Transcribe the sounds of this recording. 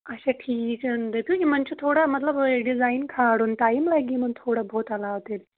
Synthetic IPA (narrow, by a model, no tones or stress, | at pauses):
ɐɕaʈʰiːkənd̪epukʲimɐnt͡ɕʰut̪ʰoːɽamɐt̪ləbɖizaːjnkʰaːɽunʈaːimlaːɡiːmənt̪ʰoːɽabʱoːt̪ɐlaːʋt̪el